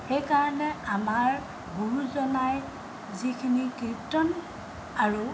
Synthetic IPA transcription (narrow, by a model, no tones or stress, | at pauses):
xejkaɹɔnɛamaɹ | buɹuzɔnaj | zikʰinikɹip̚tɔn | aɹu